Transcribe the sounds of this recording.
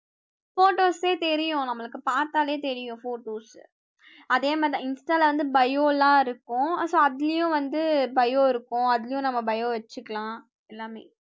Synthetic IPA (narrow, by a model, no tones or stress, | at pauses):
foːʈoːseːt̪ɛɾɪjʊ̃nɐmːɐɭɯkːɯpaːɾt̪aːleːt̪ɛɾɪjʊ̃foːʈoːs | ɐðeːmaːd̪ɪnsʈaːlʋɐnd̪ɯbɐjoːlãːɪɾɯkːʊ̃soːɐðɪlɪjʊ̃ʋɐnd̪ɯbɐjoːɪɾɯkːʊ̃ɐðɪlɐjʊ̃nɐmːɐbɐjoːʋɛt͡ʃːɯkːɐɭãː | ɛlːaːmeː